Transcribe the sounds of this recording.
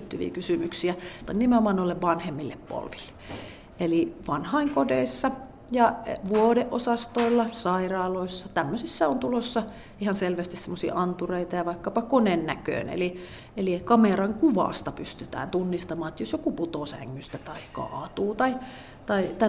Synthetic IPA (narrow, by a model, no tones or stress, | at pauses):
t̪hyʋḭkysymyksiæt̪ɑinimeomɑˑnolːeʋʋɑnhemːilːeppo̰lʋilːe̥ | ʔeliʋɑnhɑiŋkodeisːɑ | jɑʋuodeʔʔosɑst̪oilːɑsɑirɑːloisːɑt̪æmːøsisːæont̪ulosːɑ | ʔihɑnselʋæst̪issemːosḭːʔɑnt̪ureit̪ɑjɑʋɑikːɑpɑkonennækø̰ːˑnḛli | elikɑmerɑŋkuʋɑ̰ˑst̪ɑpyst̪yt̪æ̰ːnt̪unːist̪ɑmɑːet̪josjokuput̪oˑsæ̰ŋːyst̪æt̪ɑikɑ̰ʔɑt̪uːt̪ɑi | t̪ɑit̪æ